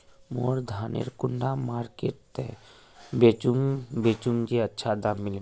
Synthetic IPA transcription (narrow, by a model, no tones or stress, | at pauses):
moːɾd̪ʱaːnḛɾkʊɳɖamaːɾkeːʈt̪ɛ | bet͡ʃubeːt͡ʃuŋd͡ʒiɐtːʃʰad̪aːmmɪle